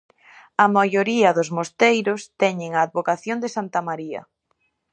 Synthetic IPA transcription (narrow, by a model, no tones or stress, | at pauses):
ɐmajoɾiɐðʊzmost̪ejɾʊst̪ɛɲeŋɐːðβokaθjond̪esant̪ɐmaɾiɐ̰